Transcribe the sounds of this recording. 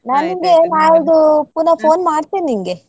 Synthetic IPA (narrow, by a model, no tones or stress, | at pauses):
naːniŋɡenaːld̪upunɐpoːnmaːɖt̪ːinːiŋɡe